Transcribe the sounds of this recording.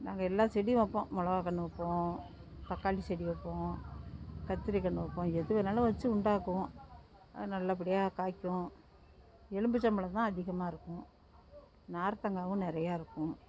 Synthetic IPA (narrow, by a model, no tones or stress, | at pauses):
naːŋɡɐɛlːãːsɛɽɪj̃ɐpːõmɔɭɐʋaːkɐɳːɯʋɐpːõ | t̪ɐkːaːɭisɛɽɪʋɐpːõ | kɐt̪ːɪɾikɐɳːɯʋɐpːõːɛðɯʋɐnɐlːɐ̃ʋɐt͡ʃːɯʊɳɖaːkːõ | nɐlːɐp̬ɪɽɪjaːkaːkːʊ̃ | ɛɻɯmbɯt͡ʃːɐmbɐɭɐt̪ãːɐðɪɣɐmaːɪɾɯkːʊ̃ | naːɾt̪ɐŋɡaːʋʊ̃nɪɾɐjaːɪɾɯkːʊ̃